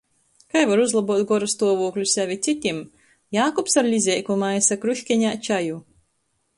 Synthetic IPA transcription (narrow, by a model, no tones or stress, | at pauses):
kajvaɾuzlˠabuɔt̪ɡɔɾast̪uɔvuːklʲusʲævʲit̪sʲit̪ʲim | jaːkɔpsaɾlʲizʲɛjkumajsakɾuʃʲkʲɛɲʲaːt͡ʃaju